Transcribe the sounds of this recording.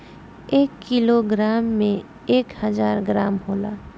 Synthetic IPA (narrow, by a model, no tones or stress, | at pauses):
eːkːiloɡɾaːmːẽ | eːkhəzaːɾɡɾaːmɦoːlaː